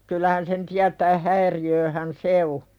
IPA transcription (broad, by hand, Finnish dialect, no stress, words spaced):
kylˑæhæn sen tiætæː hæiriøːhæn se o